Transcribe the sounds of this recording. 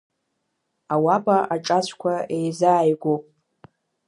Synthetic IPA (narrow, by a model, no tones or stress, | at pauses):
awabʼaʔaʈ͡ʂʼat͡ʃʷʰʼkʷʰaejzaːjɡʷopʼ